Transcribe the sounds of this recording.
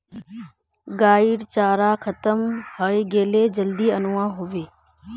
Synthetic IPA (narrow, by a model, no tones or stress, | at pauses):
ɡaːiɽt͡ʃaːɾaːkʰət̪əmhəiɡeːleːd͡ʒəld̪iːənʊʋãːɦʊʋeː